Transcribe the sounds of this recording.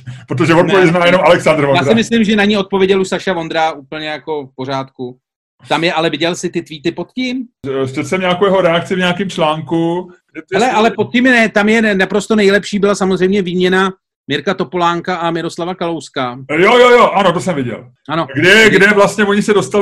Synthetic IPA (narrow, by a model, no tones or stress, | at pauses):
pɾot̪oʒɛvot̪ovjɛznaːjɛnomalɛksand̪ɾvojaːsɾaɪmɪslɪmʒɛnaɲio̞t̪̚po̞vjɛɟɛluʃsaʃavo̞nd̪ɾauːpl̩ɲɛjako̞fpo̞ɾ̝aːt̪ku | t̪amjɛʔalɛvɪɟɛlsɪt̪ɪt̪viːt̪ɪpo̞t̪cɪmʃɛtsɛmɲaːkowjɛɦoɾɛak̚t͡sɪvɲaːkɪmt͡ʃlaːŋku | ɛɛlɛʔalɛpot̪̚cɪmnɛt̪amjɛnapɾo̞st̪o̞nɛjlɛpʃiːbɪlasamozr̝ɛjmɲɛviːmɲɛna | mɪɾkat̪o̞po̞laːŋkaʔamɪɾo̞slavakalowskajojojoʔanot̪osɛmvɪɟɛ̰l | ʔano̞ɡdɛɡdɛvlast̪ɲɛvoɲɪsɛdo̞st̪al